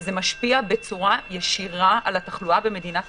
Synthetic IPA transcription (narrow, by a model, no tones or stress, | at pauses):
ze̞maʃpiabe̞t͡suʁajeʃiʁaalat̪aχluabe̞me̞dinat